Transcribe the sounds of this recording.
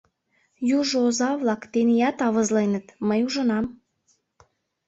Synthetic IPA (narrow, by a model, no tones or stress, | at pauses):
juʒoozɑβlɑkt̪enijɑt̪ɑβə̆zlenət̪məjuʒə̆nɑm